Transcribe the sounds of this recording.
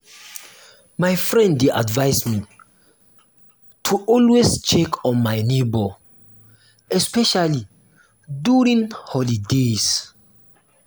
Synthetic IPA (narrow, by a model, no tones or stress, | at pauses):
majfɹɛ̃ndːeʔa̰dvaɪsmi | tʰuʔɔlwest͡ʃɛkʰɔ̃nmaɪnebɔ | ɛspɛʃali | duɹĩŋhɔlides